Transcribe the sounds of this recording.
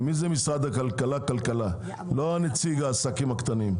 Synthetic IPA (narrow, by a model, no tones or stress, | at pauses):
mizemisaːd̪ɐkɐlkɐlakɐlkɐla | loanit͡siɡaːsakimɐkt̪ɐnim